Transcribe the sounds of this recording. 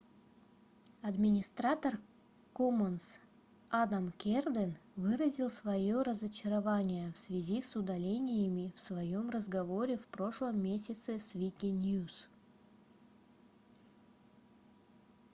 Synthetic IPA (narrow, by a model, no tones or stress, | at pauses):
ɐd̪mʲɪnʲɪst̪ɾat̪ər | koməns | ad̪amkʲerd̪ənvɨɾəzʲilˠsvɐjoɾəzət͡ɕɪɾɐvanʲɪjəfsvʲɪzʲisʊd̪ɐlʲenʲɪjəmʲɪfsvɐjo̞mrəzɡɐvo̞ɾʲɪfpɾo̞ʂlˠəmːʲesʲɪt̪sɪsvʲikʲɪnʲjus